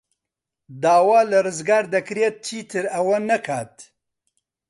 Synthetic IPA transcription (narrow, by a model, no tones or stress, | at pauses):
d̪aːwaːlɨrɨzɡaːɾd̪ɐkɨɾet̪̚t͡ʃʰiːt̪ʰɨɾɐwɐnɐkʰaːt̪